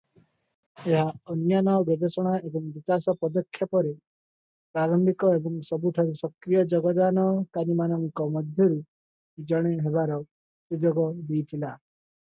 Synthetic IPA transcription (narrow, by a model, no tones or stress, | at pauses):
eɦaɔnjanɔbɔbesɔɽ̃aebɔŋbikasɔpɔd̪ɔkʰːjɔpɔɾe | pɾaɾɔmbikɔebɔŋsɔbuʈʰaɾusɔkɾijɔd͡ʒɔɡɔd̪anɔkanimanɔŋkɔmɔd̪ʱjɔɾu | d͡ʒɔɽ̃eɦebaɾɔ | sud͡ʒoɡɔd̪ijt̪ʰila